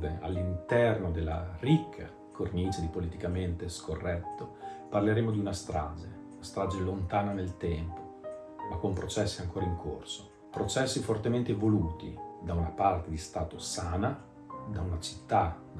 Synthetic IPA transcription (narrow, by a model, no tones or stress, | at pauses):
vea̰lːint̪ɛrnod̪elːa̰rikʰːa̰ | kʰornit͡ʃed̪ipolit̪ikament̪eskorːɛt̪ːoparleɾeːmod̪iunast̪ɾa̰ːd͡ʒe | unast̪ɾaːd͡ʒelont̪aːnanelt̪ɛmpo | makːompɾot͡ʃɛsːiaŋkoːɾaiŋkʰo̰rso | pɾot͡ʃɛsːifort̪ement̪evoluːt̪ḭd̪aunapart̪ed̪ist̪aːt̪osaːna | d̪aunat͡ʃi̥t̪ːa